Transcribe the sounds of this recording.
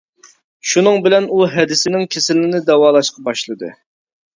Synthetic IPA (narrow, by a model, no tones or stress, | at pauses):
ʃunɨŋbɪlɛnuɦɛd̪ɪsɪnɪŋkʲʰesɪlɪnɪd̪ɛwɑːlˠɑʃqʰɑbɑʃlˠɨd̪ɨ̰